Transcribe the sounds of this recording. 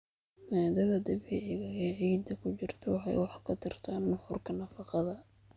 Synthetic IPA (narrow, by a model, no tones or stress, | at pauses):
nɛːd̪ɐɣɐd̪ɐβɛʕɪɣɐɛʕiːd̪ɐkʰʊt͡ʃɪrt̪ʰɔwħɑ̰jwɑħɑkʰɐt̪ʰɪrt̪ʰanːɐħʊrkʰɐnɐfɑqɑðɐ